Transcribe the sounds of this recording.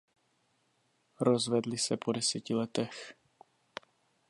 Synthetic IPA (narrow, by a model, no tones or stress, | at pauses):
ɾozvɛdlɪsɛpʰodɛsɛcɪlɛt̪ɛx